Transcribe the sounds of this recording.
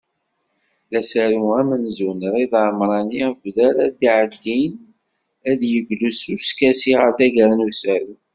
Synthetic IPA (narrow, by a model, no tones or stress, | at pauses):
læsæɾuæmənzunɾiðʕmɾˤɑnivʷðælæd̪iʕəd̪ːin | æðjəɡlusuɾskæsiʁəɾθæʝəɾnusæɾu